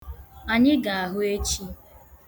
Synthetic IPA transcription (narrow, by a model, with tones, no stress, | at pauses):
a˨ɲɪ˦ɡa˨a˨ɦʊ˦e˦t͡ʃi˦